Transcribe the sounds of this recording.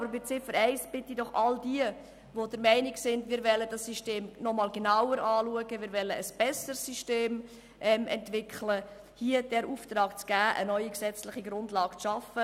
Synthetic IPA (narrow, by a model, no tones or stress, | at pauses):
ɑbəɾbɪt͡sɪfəɾɛɪsb̥ɪt̪idɔχɑldiə | ʋodəɾmɛɪnɪɡsɪndmɪːɾvɛlːədɑsːiʃteːmnɔmɑːlɡenɑwəɾɑːluəɡəmɪːɾvɛlːəəsb̥ɛsəɾsːyʃteːm | ʔɛmɛ̰ntvɪkʰlə | hiəd̥ɛɾuːft̪ɾɑːɡ̥t͡sɡ̥æːʔə̰nœʏiksɛt͡slɪχiɡɾʊndlɑːɡ̥t͡sʃɑfə